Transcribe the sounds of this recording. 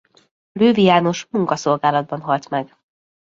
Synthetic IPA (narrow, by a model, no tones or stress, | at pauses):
løːvijaːno̞ʃmuŋkɒso̞lɡaːlɒd̪̚bɒnɦɒlt̪mɛɡ